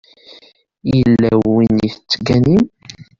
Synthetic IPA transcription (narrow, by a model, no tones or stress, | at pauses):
jəlːæwːiniθət͡sːɡænim